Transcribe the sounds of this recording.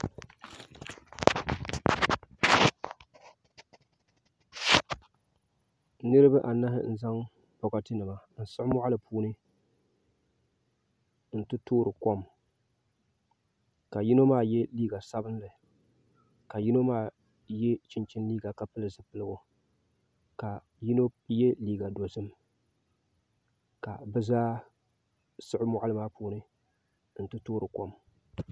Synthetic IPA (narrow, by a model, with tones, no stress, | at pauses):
nɨ˦ɾɨ˦ba˦ʔa˨na˦hɪ̰˦n̩˦za˦ŋ | pɔ˨ka˨tɨ˦nɨ˨ma˨n̩˨sʊ˦ʔmʊ˦ʔa˦lɨ˨pʰuː˦nɨ˦ | n̩˨tɨ˦toː˦ɾɨ˨kɔ˦m | ka˨ji˦no˦maː˦˨jɛ˦liː˦ɡa˨sa˦bɨ˦nlɨ˨ | ka˨ji˦no˦maː˦ | jɛ˦t͡ʃɪ˦nt͡ʃɪ˦nliː˦ɡa˨ka˨pɨ˦lɨ˨zɨ˨˦pɨ˦lɨ˦ɡo˦ | ka˨ | ji˦no˦jɛ˦liː˦ɡa˨do˨zɨ˦m | ka˨bɛ˦zaː˦ | sɨ˦ʔɪ˦mʊ˦ʔa˦lɨ˦˨maː˦puː˦˨nɨ˦ | n̩˨tɨ˦toː˦ɾɨ˨kɔ˦m